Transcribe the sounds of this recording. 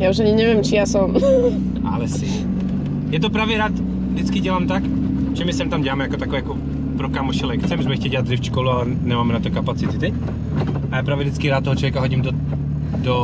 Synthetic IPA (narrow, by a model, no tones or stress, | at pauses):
jaːuʃaɲɪɲɛvjɛmt͡ʃijaːsɔm | ʔa̰lɛsɪ | jɛt̪opɾaːvjɛɾaːt̪ | vdɪt͡skɪɟɛlaːmt̪ak | ʒ̥ɛmɪsɛmt̪amɟɛlaːmɛjakot̪akovɛjako | pɾokamoʃɛlɛkt͡sɛmuzmɛxcɛɟɛad̪zɪft͡ʃkolualɛ | nɛmaːmɾaːt̪̚ːokapat͡sɪt̪ɪt̪ɛc | ajapɾaːvjɛvdɪt͡skɪɾaːt̪t̪ːoɦot͡ʃlɔvjɛkaɦoɟimdo | do